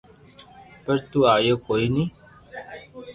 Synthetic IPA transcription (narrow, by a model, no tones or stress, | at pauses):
pəɾt̪uaːjokoːiːniː